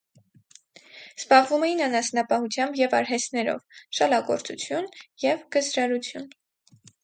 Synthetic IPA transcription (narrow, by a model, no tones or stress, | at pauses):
z̥bɑʁvumɛjinɑnɑsnɑpɑhut͡sʰjɑmbjɛvɑɾɦɛst̪nɛɾɔ̰vʃɑlɑɡɔɾt͡sut͡sʰjunjɛvɡ̥əzɾɑɾut͡sʰjun